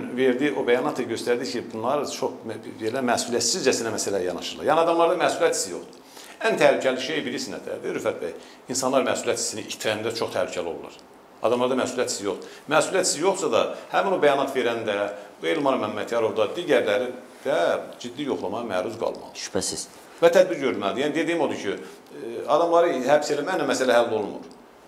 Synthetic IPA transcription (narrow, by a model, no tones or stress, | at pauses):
nveɾd̪io̞bæjɑnɑt̪ʰːɑɟø̞st̪æɾd̪icʰibunlˠɑɾɯt͡ʃʰoχbelæmæsulijæt̪sizd͡ʒæsinæmæsælæjɑnɑʃɯɾlˠɑ̰ɾjæniɑd̪ɑmlˠɑɾd̪ɑmæsulijæt̪ʰi̥sijo̞̰χd̪̥u̥ | ænt̪ʰæhlycʰæliʃejbilisinæ̰d̪æ̰d̪iɾyfæt̪̚bæ̰j | insɑnlˠɑɾmæsulijæt̪ʰi̥siniit̪ʰɾænd̪æt͡ʃʰo̞χt̪ʰæhlycʰælio̞lˠːɑ̰ɾ | ɑ̰d̪ɑmlˠɑɾd̪ɑmæsulijæt̪sizjo̞χd̪umæsuliæt̪ʰisijo̞χsɑd̪ɑhæmænobæjɑnɑt̪ʰve̞ɾænd̪æuelmɑɾmæmːæt̪ʰjɑɾo̞vd̪ɑd̪iɟæɾlæɾi | d̪̥æd͡ʒid̪ːijo̞χlˠɑmɑɑmæɾuzɡɑ̰lˠmɑ̰lˠʃpæsiz | væt̪ʰæd̪̚biɾɟø̞ɾylmælid̪iænid̪eæd̪ijimo̞d̪ucʰy | ɑd̪ɑmlˠɑɾɯhæbselæmæjnæmæsælæɦælːo̞lˠumṵɾ